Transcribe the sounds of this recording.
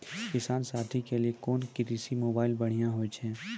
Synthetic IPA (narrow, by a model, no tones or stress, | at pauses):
kɪsaːnsaːt̪ʰikeliekɔːnkiɾisimoːbaːɪlbəɽ̤ijãɦoːjt͡ʃʰɛ̃ː